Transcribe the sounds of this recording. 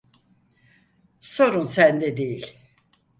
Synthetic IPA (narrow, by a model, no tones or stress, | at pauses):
so̞ɾunsænd̪ɛd̪ejilʲ